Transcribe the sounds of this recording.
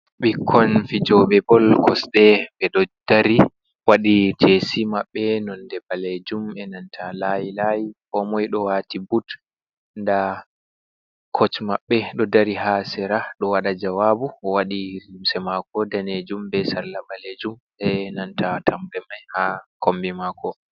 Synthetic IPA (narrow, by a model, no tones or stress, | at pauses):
ɓikʰːɔnfid͡ʒɔɓɛbɔlkʰɔsɗɛɓɛɗɔd̥aɾi | waɗid͡ʒesimaɓːɛnɔndɛbaled͡ʒumɛnantʰalajilajikɔmɔjɗɔwatibut | nda | kʰɔt͡ʃmaɓːɛɗɔdaɾiɦasɛɾaɗɔwaɗad͡ʒawabuɔwaɗiɾimsɛmakɔdaned͡ʒumbɛsallabaled͡ʒum | ɛnantʰatʰambɛmajhakombimakɔ